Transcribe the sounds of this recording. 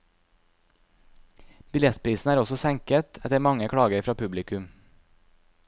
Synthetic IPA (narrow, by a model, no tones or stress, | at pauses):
b̥ɪljɛt̪pʰɾiːsn̩æːɾɔsɔsɛŋkət̪ʰɛt̪əɾmɑŋəkʰɽɑːɡəɾfɾɑːpʰʉblɪkʉm